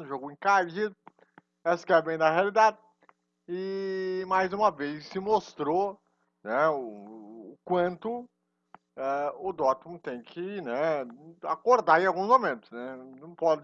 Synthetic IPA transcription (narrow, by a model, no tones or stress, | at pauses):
ʊʒoɡʊẽkaʒid̪ʊ | ɛsʊ̥kɛbẽj̃d̪ɐɦealid̪ad̪ɪ | ɪmajzũmɐvejssɪmost̪ɾo | nɛʊː | kwɐ̃nt̪ʊ | ɛʊd̪ɔt̪ũmt̪ẽj̃kʰɪnɛakoɾd̪aɾẽawɡũsmomẽnt̪ʊ̥snɛnɐ̃w̃pɔdɪ